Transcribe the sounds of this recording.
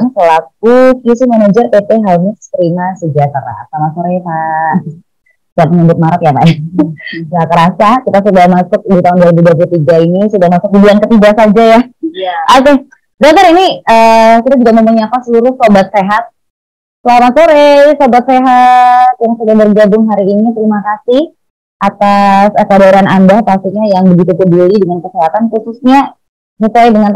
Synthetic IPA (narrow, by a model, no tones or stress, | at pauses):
ŋsəlak̚ukisimanad͡ʒərpep̪eɦalmast̪əɾimasəd͡ʒat̪ɾa̰samasoɾeka | sat̪ŋəbɪt̪̚maɾat̪japa̰ja | jakəɾasakit̪as̬udamasʊk̚dit̪aʊndaɾibidaburt̪iɡainisudahmasʊk̚didiankət̪iɡasad͡ʒajaoke | dok̚t̪əɾiniəkit̪ad͡ʒuɡamə̃mpuɲapasəluɾʊhsobat̪̚seɦat̪̚ | səlaɾaŋsoɾesobat̪̚seɦat̪̚jaŋsudabərd͡ʒabʊŋɦaɾiːnit̪əɾimakasih | ʔat̪asəkadaɾianandahpast̪ikɲajaŋbəɡit̪ut̪ədulidəŋankəseɦat̪anxususɲa | mitajdəŋan